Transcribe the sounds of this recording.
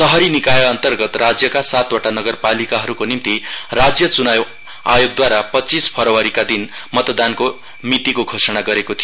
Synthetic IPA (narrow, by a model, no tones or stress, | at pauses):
sʌɦʌɾinikajʌʌnt̪ʌrɡʌt̪rad͡zjʌkasat̪woʈanʌɡʌrpalikaɦʌɾukonimt̪irad͡zjʌt͡sunajw | a̰joɡ̚d̪waɾapʌt͡sispʰʌɾʌwaɾikad̪inmʌt̪d̪anko | mit̪ikoɡʱosʌɽaɡʌɾekot̪ʰijo